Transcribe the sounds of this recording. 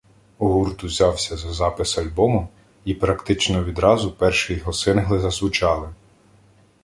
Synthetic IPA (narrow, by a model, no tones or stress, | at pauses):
uɦurt̪ʊwzʲɑwsʲɐzɐzɑpɪsɐlʲbɔmʊ | ipɾɐkt̪ɪt͡ʃnɔʋʲid̪ɾɑzʊpɛrʃɪjɔɦɔsɪnɦlˠɪzɐsʋʊt͡ʃɑlˠɪ